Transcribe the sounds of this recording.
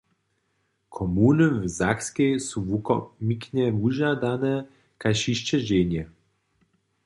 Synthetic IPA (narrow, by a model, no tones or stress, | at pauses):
kʰɔmunɨvzakskʲejsuvuɔmikɲɛvuʒad̪anɛ | kajʃiʃt͡ʃɛʒeɲɛ